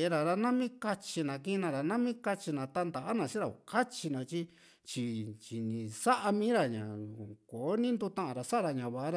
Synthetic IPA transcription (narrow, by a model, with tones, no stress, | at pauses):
e˧ɾa˨ɾa˧nã˦mĩ˦ka˧t͡ʃi˧nã˨kĩ˧nã˧ɾa˨nã˦mĩ˦ka˧t͡ʃi˧nã˨t̪a˧nd̪a˨ʔa˦nã˧sĩ˦ɾa˨o˨ka˦t͡ʃi˧nã˨t͡ʃi˧ | t͡ʃi˧t͡ʃi˨nĩ˨sa˦ʔa˧mĩː˦ɾa˧ɲã̰˨ko˨o˦nĩ˦nd̪u˧t̪ã˦ʔã˧ɾa˨sa˦˧ɾa˧˨ɲã˨βa˨ʔa˦ɾa˧